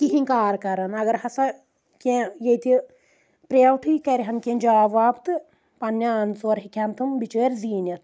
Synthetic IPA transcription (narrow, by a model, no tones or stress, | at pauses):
k̪iɦiŋkaːɾkɐɾɐnɐɡɐɾhɐsɐ | kẽjejt̪i | pɾeːʋt̪ʰɨkɐɾʲɦɐnkʲẽnʲd͡ʒaːʋaːbt̪ɨ | pɐnːjaːnsoɐɾɦikʲɐnt̪ɨmbit͡ʃəːɾʲziːnɐt̪ʰ